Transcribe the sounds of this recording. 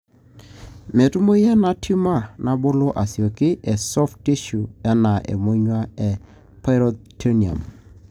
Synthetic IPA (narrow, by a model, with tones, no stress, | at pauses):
me˨tu˦mo˦jɛ˦na˦tʰi˦ma˦˨na˨bo˦lo˦ʔa˨si˨o˨kɪ˦ʔe˨sɔ˦fti˦ʃu˨ɛ˦na˨ʔḛ˨mo˦ɲwa˦e˨ | pa˦ɾo˦tʰo˦ni˨a̰˨m